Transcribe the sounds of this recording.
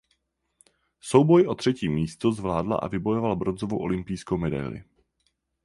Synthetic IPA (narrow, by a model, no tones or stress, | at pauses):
so̞wbo̞jʔo̞t̪r̥ɛciːmiːst̪ozvlaːdla̰ʔa̰vɪbo̞jo̞valbɾo̞nzovo̰wʔo̞̰lɪmpɪjskowmɛda̰jlɪ̰